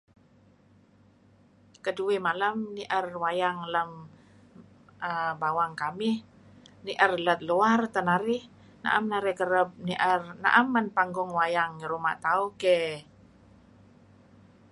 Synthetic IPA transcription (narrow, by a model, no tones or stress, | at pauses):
kəduimalamniʔərwajaŋləm | əbawaŋkamɪh | niʔərlət̪̚luart̪ənaɾɪh | na̰ʔa̰mnaɾihkəɾəp̚niʔərna̰ʔamːanpaŋɡɔŋwajaŋiɾuma̰ʔt̪auke